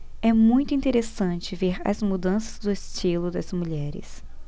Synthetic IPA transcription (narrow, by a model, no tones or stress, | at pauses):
ɛmũj̃t̪ʊĩnt̪eɾesɐ̃t͡ʃɪveɾɐ̰zmud̪ɐ̃sɐzd̪ʊest͡ʃilʊd̪ɐzmuʎɛɾɪ̰s